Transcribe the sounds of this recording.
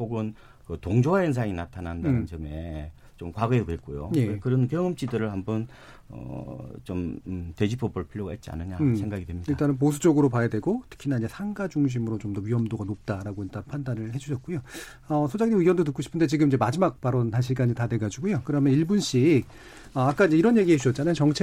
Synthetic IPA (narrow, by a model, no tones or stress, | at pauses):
poɡɯn | kɯtoŋd͡ʑowajens̬ʰaŋinatʰanandaanɯnt͡ɕʌme̞ | t͡ɕomkwaɡɯedowek͈ojo̰je̞kɯɾʌnkjʌŋɯmt͡ɕ͈idɯɾɯɭhambʌn | ʌ̰t͡ɕomte̞d͡ʑipʰobɯɭpʰiɾjoɡahet̚t͡ɕ͈ia̰nɯɲasʰeŋɡaɡidtwemɲidiɭt͈anɯnp̬osʰu̥d͡ʑʌɡɯɾopajadwe̞ɡotʰɯ̥kʰinaid͡ʑe̞sʰaŋɡad͡ʑuŋɕ̬ʰimɯɾot͡ɕomdʌɥiʌmdoɡanop̚t͈aɾaɡoit͈anpʰandanɯɭhe̞d͡ʑuɕʰʌt̚k͈ujo | ʌsʰod͡ʑaŋɲimiwʌndotɯk͈oɕʰi̥pʰɯndet͡ɕiɡɯmiɲd͡ʑe̞mad͡ʑimak̚paɾonhaɕʰiɭɡ͈ad͡ʑtadwe̞ɡad͡ʑiɡojokɯɾʌmjʌniɭbunɕ͈ik̚ | ʌak͈aind͡ʑe̞iɾʌnje̞ɡiɦed͡ʑuɕʌt̚t͡ɕ͈anajot͡ɕʌŋt͡ɕʰe